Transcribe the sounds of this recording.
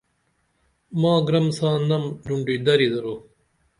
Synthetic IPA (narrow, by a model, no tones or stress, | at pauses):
mãːɡɾɐmsãːnɐmɖuɳɖid̪ɐɾid̪ɐɾuː